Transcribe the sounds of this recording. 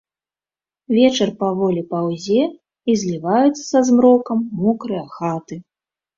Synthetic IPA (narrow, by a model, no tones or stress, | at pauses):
vʲɛt͡ʂɐrpavɔlʲipawzʲɛ | izʲlʲivajut̪t͡ssʲsɐzmɾɔkɐmːɔkɾɨjɐxat̪ɨ